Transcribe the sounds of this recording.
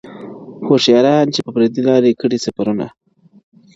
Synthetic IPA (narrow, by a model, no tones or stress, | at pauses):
xoʃjɑɾaant͡ʃepəpɾed̪ilɑɾekəɽisafaɾuna̰